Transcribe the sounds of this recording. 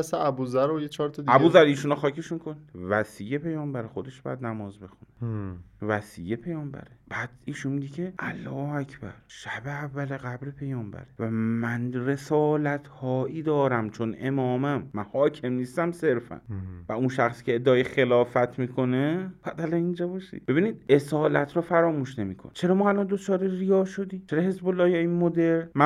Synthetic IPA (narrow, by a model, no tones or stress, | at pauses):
seæbuzæɾojet͡ʃʰɒɾt̪ʰɒd̪iæbuːzæɾiːʃunɒxɒːkʰeʃuŋkʰonvæsiːjepe̞jɒːmbæɾexo̞d̪e̞ʃb̥ɒ̰jæd̪næmɒːzbe̞xunevæsiːjepʰe̞jɒːmbæ̰ɾeb̥æːd̪̥iːʃunmiɟecʰe̞ʔælːɒːæcʰb̥æ̰ɾʃæbeævːæleɣæbɾepʰe̞jɒːmbæ̰ɾevæmænre̞sɒːlæt̪ʰhɒːʔiːd̪ɒːɾæmt͡ʃʰo̞ne̞̰mɒːmæmːænhɒːcʰe̞mniːst̪æmse̞ɾfæ̰nvæunʃæxsi̥ːcʰeːd̪ːeːjexe̞lɒːfæt̪ʰmiːkʰo̞ne̞b̥æːd̪ælɒnind͡ʒɒːbɒːʃḭd̥̪̚be̞biːniːd̪̚e̞sɒːlæ̰t̪ʰɾɒːfæɾɒːmuːʃne̞miːkʰo̰nt͡ʃʰe̞ɾɒːmɒːælɒnd̪o̞t͡ʃʰɒːɾerijɒːʃo̞d̪iːt͡ʃʰeɾɒhe̞zbolːɒːhjɒinmod̪eɾnmæ